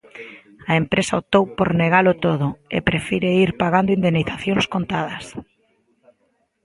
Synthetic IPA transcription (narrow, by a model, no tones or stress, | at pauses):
ɐempɾesɐot̪owpoɾneɣalʊt̪oðʊḛpɾefiɾeiɾpaɣand̪oind̪enːiθaθjoŋskont̪aðɐs